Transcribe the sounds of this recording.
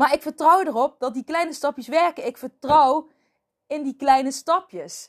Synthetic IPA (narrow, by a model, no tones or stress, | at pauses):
maːɹɪkfəɹtrɔwdərɔp̚dɑt̚diklɛjnəstɑpjəsʋɛɹkənɪkfəɹtrɔw | ɪndiklɛjnəstɑpjəs